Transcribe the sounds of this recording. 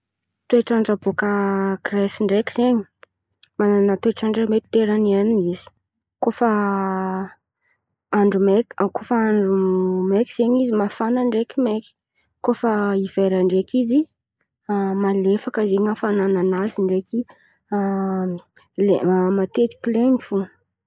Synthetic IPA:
t̪ueʈ͡ʂaɳɖ͡ʐabokəkrɛsiɳɖ͡ʐekiz̥eɲi̥ | manat̪ueʈ͡ʂaɳɖ͡ʐəmet̪t̪eɾaniannizi̥ | kofə | aɳɖ͡ʐumekkofəaɳɖ͡ʐumekiz̥eɲizimafanaɳɖ͡ʐekimeki̥ | kofəiv̥eɾaɳɖ͡ʐekizi | amalefakəzeŋafanananaziɳɖ͡ʐeki | leamat̪et̪i̥kʲlenifu

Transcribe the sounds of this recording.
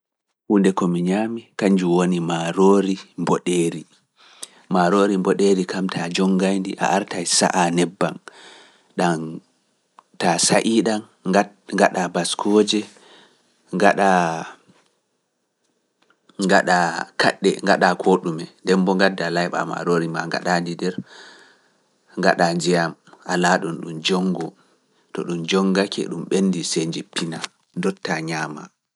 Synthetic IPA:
ʔundɛkɔmiɲaːmikaɲd͡ʒuwonimaɾoːɾimbɔɗeːɾi | maɾoːɾimbɔɗeɾikamtʰad͡ʒɔŋɡajndiʔa̰ʔaɾtajsa̰ʔanɛbːa̰n | ɗan | tasaʔiːɗan | ŋɡaɗabaskʰɔd͡ʒɛ | ŋaɗa | ŋɡaɗakʰa̰ɗːɛŋɡaɗakʰoɗumɛndɛmbɔŋɡadːalajɓa̰ma̰ɾoɾimaŋɡa̰ɗandidɛɾ | ŋɡa̰ɗand͡ʒɛjamʔalaɗɔnɗumd͡ʒɔŋɡɔ | tɔɗumd͡ʒɔŋɡakʰɛ̰ɗumɓenːdiseɲd͡ʒipːina | dɔtːaɲaːma̰

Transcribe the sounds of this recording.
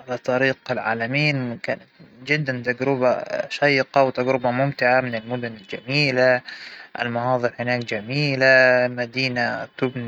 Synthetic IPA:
ʕalat̪ˤːɑɾiːqɪlʕa̰ːlamiːnkaːnat̪d͡ʒɪd̪ːant̪aɡɾʊbaʃajːqɑwt̪aɡɾʊbamʊmt̪ɪʕamɪnɪlmʊd̪ʊnɪld͡ʒamiːlaʔɪ̰lmɑhɑːðˤɨɾhɪnaːk̚d͡ʒamiːlamad̪iːnat̪ʊbn

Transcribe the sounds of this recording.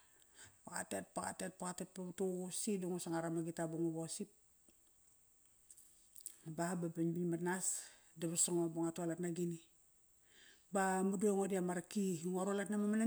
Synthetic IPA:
aa̰tet̚paka̰tet̚pakatet̚pabtusiduŋosaŋaɾamaɡitabuŋoβosip̚ | bababaɲbiɲmanas | daβasaŋoboŋatualatnaɡini | bamudueŋodiamaɾakiŋaɾalatnamamana

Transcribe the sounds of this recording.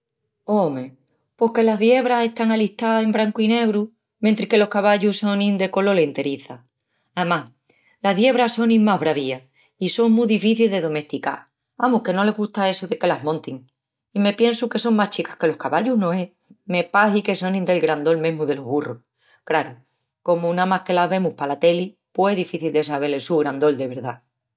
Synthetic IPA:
oome | po̞hke̞laɦðje̞β̞ɾase̞ht̪aŋaliht̪ae̞mbɾaŋkuine̞ɣɾu | ment̪ɾike̞lo̞hkaβaʎuso̞nĩnd̪e̞ko̞lo̞lent̪e̞ɾiθa | aemah | laɦðje̞β̞ɾaso̞nĩŋmaɦβɾaβ̞ia | iso̞ŋmuðifiθilðe̞ðo̞me̞ht̪ika̰ɾ | amuke̞no̞le̞ɣust̪ae̞soðe̞ke̞lamõ̞nt̪iŋ | ime̞pje̞nsuke̞so̞ŋmaht͡ʃikḁhke̞lo̞hkaβaʎuhnõ̞e | me̞pahike̞so̞nĩnd̪e̞lɡɾand̪o̞lmẽɦmuðe̞lo̞ɦβuroh | kɾaɾo | ko̞muunamahke̞lazβe̞muhpalat̪e̞li | pweðifiθild̪e̞saβ̞e̞ɾlesuɣɾand̪o̞ld̪e̞βe̞ɾða

